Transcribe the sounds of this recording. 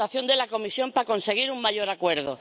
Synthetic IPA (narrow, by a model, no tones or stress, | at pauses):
aθjo̞nd̪e̞lako̞misjo̞mpako̞nse̞ɣ̞iɾuŋmaʝo̞ɾakwe̞ɾðo̰